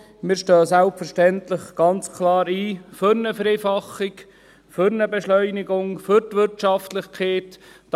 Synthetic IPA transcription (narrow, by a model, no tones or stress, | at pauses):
mɪːɾʃtœːsælpfəɾʃtɛntlɪχɡ̥ɑnt͡skʰlɑːɾiːføɾnəfɛɾeːfɑχːɪk | fʏɾnəbɛʃlœʏnɪɡʊŋfʏɾtʋɪɾtt͡ʃɑftlɪχkʰeːtː